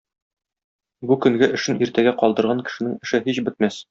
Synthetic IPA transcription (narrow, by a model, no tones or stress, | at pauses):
bukɵ̆ŋɡɘʔɘ̆ʃɘnʔiɾt̪æɡæqɒlˠd̪ɤ̆ɾʁɑŋkɘ̥̆ʃɘ̆nɘŋɘ̆ʃɘɦiɕbɘ̆t̪̚mæs